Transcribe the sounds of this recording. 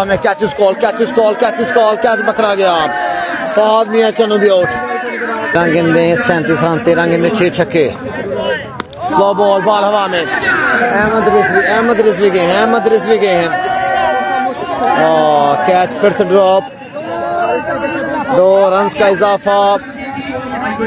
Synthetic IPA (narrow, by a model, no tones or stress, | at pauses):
mẽːkɛːt͡ʃɪskɔːlkɛːt͡ʃɪskɔːlkɛːt͡ʃɪskɔːlkɛːt͡ʃbəkɾaːɡɪjaːpfaːd̪miːaːt͡ʃənũːbiːoːʈʰ | ɾə̃ŋɡɪ̃nd̪ẽːsɛ̃ːnt̪iːsɾãːnt̪ẽːɾə̃ŋɡɪ̃nd̪ẽːt͡ʃʰeːt͡ʃʰəkːeː | sloːbɔːlbaːlɦəʋaːmẽːɛːməd̪ɾɪsʋiːɛ̃ːməd̪ɾɪsʋiːɡeːɦɛ̃ːməd̪ɾɪsʋiːɡẽːɦɛ̃ː | kɛːt͡ʃpʰɪɾsəɖɾɔːp | ɖ̪oːɾənzkaːɪzaːfʰaː